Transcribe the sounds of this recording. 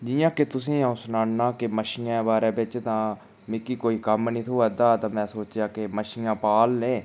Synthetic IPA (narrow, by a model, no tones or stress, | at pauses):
d͡ʒɪjãːket̪ʊs̬ĩːãʊsnaːnnãːkɪməʃɪjãːbaːɾẽːbɪt͡ʃt̪ãː | mɪkːiːkoːiːkəmniːt̪ʰoːaːd̪aːt̪ãːmɛ̃ːsoːt͡ʃjaːkɪməʃɪjãːpaːlneː